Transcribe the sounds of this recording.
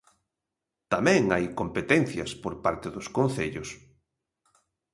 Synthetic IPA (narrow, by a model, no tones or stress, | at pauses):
t̪amɛ̃ŋajkompet̪ɛnθjɐ̰spoɾpaɾt̪eðʊskõnθeʎʊs